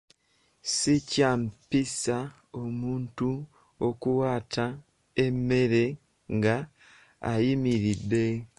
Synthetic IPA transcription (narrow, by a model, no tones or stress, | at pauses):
sicampisa | omuːntu | okuwaːtʰa | emeɾe̞ | ŋɡa̰ː | jimiɾide̞